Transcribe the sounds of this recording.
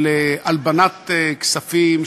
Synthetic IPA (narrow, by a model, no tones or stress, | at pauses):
leʔalbanat̪eksafim